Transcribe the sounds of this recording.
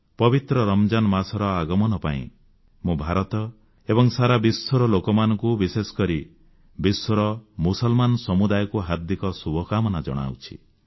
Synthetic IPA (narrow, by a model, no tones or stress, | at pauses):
pɔbit̪ɾɔɾɔmd͡ʒanɔmasɔɾɔaɡɔmɔnɔpa̰ḭ̃ | mũbʱaɾɔt̪ɔ | ebɔŋsaɾabisːɔɾɔlokɔmanɔŋkubisesɔ̥kɔɾi | biswɔɾɔmusɔlmanɔsɔmud̪ajɔkuɦad̪ikɔsubʱɔkamɔnad͡ʒɔ̰ɽ̃a̰ṵt͡ʃʰḭ